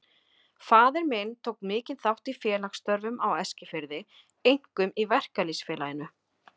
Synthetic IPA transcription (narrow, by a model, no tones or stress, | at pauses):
faːðɪɾmɪnt̪ʰoːwkmɪːcɪnθawht̪ifjɛːlaxst̪œɾvʏmawɛscɪfɪɾðɪ | ejŋ̥kʏmivɛr̥kalisfɛːlajɪnʏ